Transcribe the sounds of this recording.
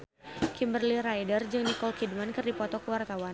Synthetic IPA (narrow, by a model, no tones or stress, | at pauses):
kimbərliɾajdərd͡ʒɨŋnikɔlkidmankɨrdipɔt̪ɔkəwart̪awan